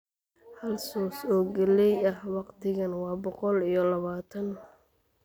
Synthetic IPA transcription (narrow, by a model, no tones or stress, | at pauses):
hɐlsɔːsɔːɡɛlɛjɐhwɑqt̪ʰɪɣɐnwɑːbɔqɔlijɞlɐβaːt̪ʰɐn